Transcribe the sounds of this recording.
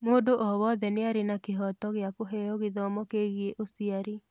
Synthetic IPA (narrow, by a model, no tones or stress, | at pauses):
moːdoʔɔwɔðɛneaɾenakeɦɔtɔɣeakoɦɛjɔɣeðɔmɔkeɣjeʔosiaɾi